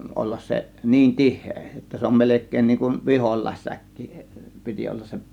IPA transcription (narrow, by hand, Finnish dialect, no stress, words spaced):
olːɑs se niːn tihˑeː jotːɑ se om melekˑeːn niːŋ kun ʋiholˑɑˑe̝sːækːi piti olːɑs se